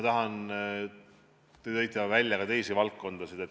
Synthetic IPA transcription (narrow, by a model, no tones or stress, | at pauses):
ɑt̪ɑɦɑn | t̪et̪ɤjt̪ːˑɑvælʲjɑkɑt̪e̞jsivɑlk̚kːo̞nd̪̥ɑsid̪̥et̪